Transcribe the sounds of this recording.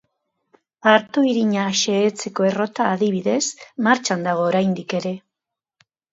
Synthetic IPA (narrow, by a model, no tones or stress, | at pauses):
aɾt̪oiɾiɲaʃe̞ːt͡se̞ko̞e̞ro̞t̪aːðiβiðe̞smaɾt͡ʃand̪aɣ̞o̞ːɾajnd̪ike̞ɾe̞